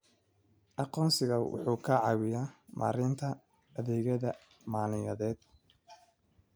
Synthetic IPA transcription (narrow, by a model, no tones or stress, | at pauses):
ʔɑqɔːnsɪɣɐwʊ̰ħuːkʰɐʕɑwɪjamʔa̰ːɾɪnt̪ʰɐː | ðɛːɣɐðɐ | maːnɪjɐðɛːd̪̚